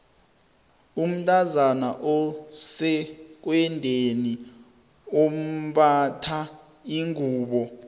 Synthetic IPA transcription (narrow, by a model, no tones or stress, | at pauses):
um̩tʼazanaʔɔsɛk̬wɛndʱeni | om̩ɓatʰa | iŋuːɓɔ